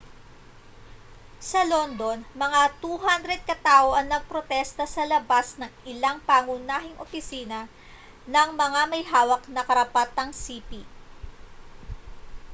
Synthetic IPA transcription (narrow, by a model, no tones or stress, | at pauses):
sɐlond̪o̞nmɐŋat̪uːɦand̪ɾɛd̪̚kɐt̪aːʔo̞ʔɐŋnɐɡ̚pɾot̪ɛst̪ɐsɐlɐbasnɐŋɪlaŋpaːŋʊnaːɦɪŋʔo̰pɪsiːnɐ | nɐŋmɐŋamɐjɦaːwɐknɐkɐɾɐpat̪aŋsipi